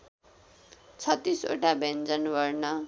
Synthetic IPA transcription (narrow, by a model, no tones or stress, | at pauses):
t͡sʰʌt̪ːiso̰ʈabend͡zʌnbʌrnʌ